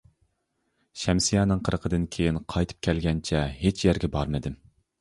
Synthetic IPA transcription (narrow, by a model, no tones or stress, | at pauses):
ʃɛmsijɑːnɨŋqʰəɾəqʰəd̪ɨnkʲʰejinqʰɑjt̪ʰɨ̥p̚kʲʰɛlɡʲɛnt͡ʃʰɛɦet͡ʃʰjæɾɡʲɛbɑɾmɨd̪ɪm